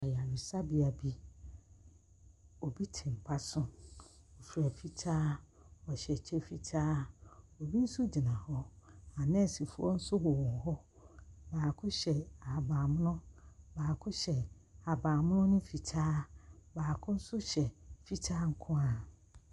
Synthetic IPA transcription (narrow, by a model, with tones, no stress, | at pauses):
ɔ˨ja˨ɥi˨sa˦bi˦a˨bi˦ | o˨bi˦tʰɪ̃˨m̩˨pʰa˦sʊ̃˦ɔ˨fi˨ɾa˨fi˦tʰaː˦ | ɔ˨ɕɛ˨t͡ɕʰɛ˦fi˨tʰaː˦ɔ˨bi˦n̩˦sʊ˦d͡ʑi˨nã˨hɔ˦a˨nɛ̃˦˨si˨fu˦ɔ˦n̩˦sʊ˦bɔ˨wɔ̃˨ŋ̩˨ɦɔ˦ | baː˨kʰʊ˦ɕɛ˨a˨baː˨mʊ̃˦nʊ̃˦baː˨kʰʊ˦ɕɛ˨a˨baː˨mʊ̃˦nʊ̃˦nʊ̃˦fi˨tʰaː˦baː˨kʰʊ̃˦n̩˦sʊ˦ɕɛ˨fi˦tʰaː˦ŋ̩˦kʰʊ̃˦a˨